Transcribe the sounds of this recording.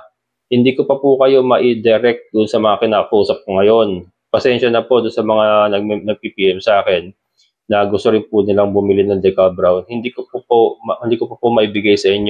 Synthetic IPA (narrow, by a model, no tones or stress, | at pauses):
hɪnd̪iːko̞pɐpʊkɐjo̞mɐʔid̪ɛɾɛk̚t̪̚d̪ʊʔʊnsɐmɐŋakɪnaːkɐkɐʔuːsɐp̚koŋɐjo̞n | pɐsɛnʃɐnɐpo̞d̪ʊnsɐmɐŋanɐɡnɐɡ̚pipiːʔɛmsɐʔaːkɛnː | ɐɡʊst̪ʊɾɪnpʊnɪlaŋbʊmɪlɪnɐŋd̪ɛkabɾawnhɪnd̪iːkopopohɪnd̪iːkopɐpomɐʔibɪɡajsɐʔɪɲo